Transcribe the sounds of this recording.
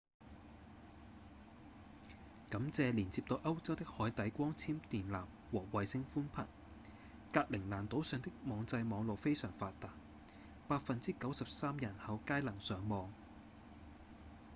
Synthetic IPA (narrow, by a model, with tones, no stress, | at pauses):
kɐ˨˥mt͡sɛː˨˧liː˨˩nt͡siː˧p̚t̪o˧ʔɐ˥wt͡sɐ˥wt̪ɪ˥k̚hɔː˨˥jt̪ɐ˨˥jkʷɔː˥ŋt͡sʰiː˥mt̪iː˨nlaː˨˩m | wɔː˨˩wɐ˨jsɪ˧ŋfuː˥npʰɐ̰˨˩n | kaː˧k̚lɪ˨˩ŋlaː˨˩nt̪o˨˥wsœː˨˧ŋt̪ɪ˥k̚mɔː˨˧ŋt͡sɐ˧jmɔː˨˧ŋlo˨wfe˥jsœː˨˩ŋfaː˧t̚t̪aː˨t̚ | paː˧t̚fɐ˨nt͡siː˥kɐ˨˥wsɐ˨p̚saː˥mjɐ˨˩nhɐ˨˧wkaː˥jlɐ˨˩ŋsœː˨˥ŋmɔː˨˧ŋ